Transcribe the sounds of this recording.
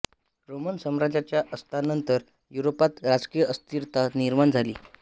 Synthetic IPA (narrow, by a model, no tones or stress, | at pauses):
ɾomənsəmɾad͡zat͡ɕjaʔəst̪ʰanənt̪əɾ | juɾopat̪ɾad͡zkijəəst̪iɾt̪ʰaniɾmand͡zʱalḭː